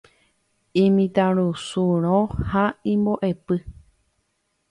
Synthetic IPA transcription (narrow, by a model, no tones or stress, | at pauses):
ĩmĩt̪aɾusuɾ̃õhaĩmboʔe̞pɨ